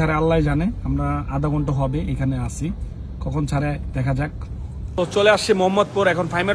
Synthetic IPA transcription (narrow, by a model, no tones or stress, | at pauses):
aɾealːajd͡ʑaneamɾaad̪aɡɔɳʈoɦɔbeekʰaneasʰi | kɔkʰont͡ɕʰaɾed̪ɛkʰad͡ʑak̚ | ot͡ɕoleaʃt͡ɕʰimoɦɔmːɔd̪̚poɾɛkʰonfajme